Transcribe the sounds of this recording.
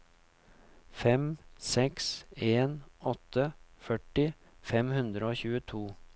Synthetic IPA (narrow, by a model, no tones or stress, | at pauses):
fɛmsɛkseːnɔt̪ːəfœʈɪ | fɛmhʉnd̪ɾəoːçʉːət̪ʰuː